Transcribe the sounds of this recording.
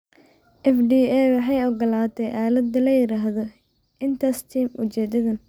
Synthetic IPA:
ʔɛfɖiːɛwħɑjɔɡɐlaːt̪ʰɛjʔaːlɐd̪ɐlɐjɪɾaːɦðɔ | ɪnt̪ʰaːst̪ʰiːmʔʊt͡ʃɛːd̪ɐðɐn

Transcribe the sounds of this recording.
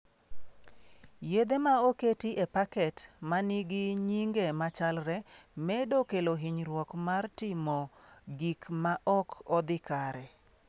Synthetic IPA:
jed̪emaoketiʔepakɛtmaniɡɪɲiŋɡemat͡ʃalɾɛmɛdokeloɦiɲɾwɔkmartɪmɔɡikmaʔɔkɔd̪ɪkaɾɛ

